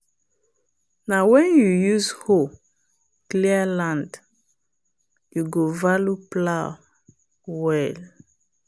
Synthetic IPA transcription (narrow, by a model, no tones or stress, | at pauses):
nawɛ̃njujuzho | klialãnd | juɡovaluplaʊ | wɛl